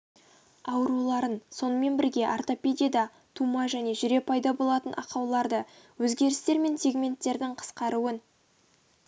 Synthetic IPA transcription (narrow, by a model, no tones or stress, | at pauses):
ɑwəɾulˠɑɾənso̞nəme̞nbɪɾɡʲe̞ʔart̪o̞pʲed̪ʲijad̪ɑ | t̪ʰumɑʒæne̞ʒʏɾe̞pʰɑjd̪ɑbo̞lˠɑt̪ənʔɑ̰qɑwlˠɑɾd̪ə | wɵzɡʲe̞ɾɪst̪e̞ɾme̞nse̞ɡmʲe̞nt̪ːe̞ɾd̪ɪɴqʰə̥sqɑɾuən